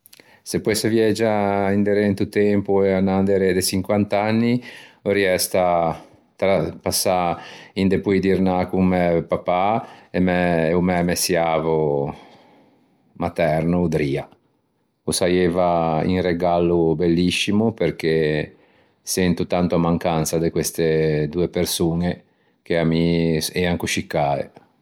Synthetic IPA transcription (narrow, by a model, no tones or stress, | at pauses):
sepwesevjɛd͡ʒaind̪eɾent̪ut̪ɛmpueanːand̪eɾed̪et͡ʃiŋkwant̪anːioɾiɛst̪a | t̪ɾapasːaind̪epujd̪iɾnakuŋmɛpapaemɛumɛmɛsjavo | mat̪ɛɾnod̪ɾiːa | osajevaḭŋreɡalubelːisːimupeɾk̟e | sɛnt̪ut̪ant̪oamaŋkant̪sad̪ekwest̪ed̪uːepeɾsuːne | k̟eamiɛaŋkuʃikːaːḛ